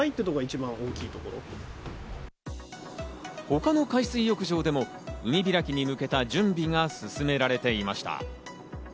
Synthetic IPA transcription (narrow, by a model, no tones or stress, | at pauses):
ait̪ːet̪oɡait͡ɕibãɰ̃o̞ːkʲiːt̪o̞ko̞ɾo̰ | ho̞kano̞kaisɨijo̞kɯ̟ʑo̞ːd̪e̞mo̞ | ɯ̟mʲibʲiɾakʲiɲ̟imɯ̟ke̞t̪ad͡ʑɨ̃mbʲiŋasɨsɨme̞ɾaɾe̞t̪e̞imaɕi̥t̪a̰